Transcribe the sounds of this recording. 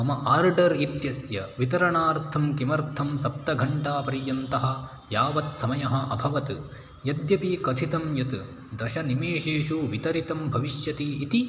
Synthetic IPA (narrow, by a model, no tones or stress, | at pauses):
ɐmɐʔaːɾɖɐɾit̪jɐsjɐʋit̪ɐɾɐɳaːɾt̪ʰɐmkimɐɾt̪ʰɐmsɐpt̪ɐɡʱɐɳʈaːpɐɾijɐnt̪ɐɦɐ̆ | jaːʋɐt̪sɐmɐjɐɦɐ̆ʔɐbʱɐʋɐt̪ | jɐd̪jɐpikɐt̪ʰit̪ɐmjɐt̪ | d̪ɐʃɐnimeːʃeːʃuʋit̪ɐɾit̪ɐmbʱɐʋiʃjɐt̪iːt̪i